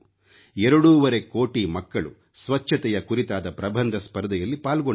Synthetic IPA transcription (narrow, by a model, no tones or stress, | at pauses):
ɛɾɐɽuːʋɐɾe̞ko̞ːʈimɐkːɐɭṵ | sʋɐt͡ʃʃʰːɐt̪ɛjɐkuɾit̪aːd̪ɐpɾɐbʱɐnd̪ʱɐspɐɾd̪ɐjɐlːipaːlɡoɳ